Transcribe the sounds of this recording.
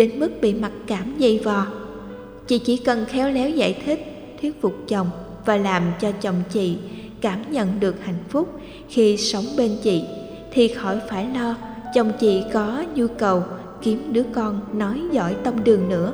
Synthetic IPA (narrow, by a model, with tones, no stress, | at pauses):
ɗe˨˦nmɨ˦˥k̚ɓḭ˧˨ma˨˩t̚kaː˧˩mzə̰˧˩˨vɔ˨˩ | t͡ɕḭ˧˨t͡ɕi˧˩kə˨˩nxɛ˨˧˦wlɛ˨˦wza̰ː˧˨jt̪ʰï˦˥k̚ | t̪ʰwi˦˥ət̚fʊ˨˩k͡p̚t͡ɕə˨˩wŋ͡m | vaː˨˩laː˨˩mt͡ɕɔ˧t͡ɕə˨˩wŋ͡mt͡ɕḭ˧˨ | kaː˧˩mɲə̰˧˨nɗɨ˨˩ək̚ha̰˧˨jŋ̟fʊ˦˥k͡p̚ | xi˧sə˨˦wŋ͡mɓe˧nt͡ɕḭ˧˨ | t̪ʰi˨˩xɔ˧˩jfaː˧˩jlɔ˧ | t͡ɕə˨˩wŋ͡mt͡ɕḭ˧˨kɔ˨˦ɲu˧kə˨˩w | ki˨˦əmɗɨ˨˦əkɔ˧nːɔ˨˦jzɔ̰˧˩jt̪ə˧mɗɨ˨˩əŋnɨ̰˧˥ə